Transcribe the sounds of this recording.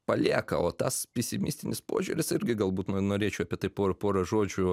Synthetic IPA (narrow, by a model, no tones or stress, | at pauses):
pɐlʲiːkɐoːt̪ɐspʲɛsʲɪmʲɪsʲt̪ʲɪnʲɪspo̰ːʒʲʊːɾʲɪsɪɾʲɡʲɪɡɐlˠbuːt̪nnoːɾʲeːt͡ʃʲɛʊɐpʲiɛt̪ɐɪpoːɐpoːɾɐʒoːd͡ʒʲʊ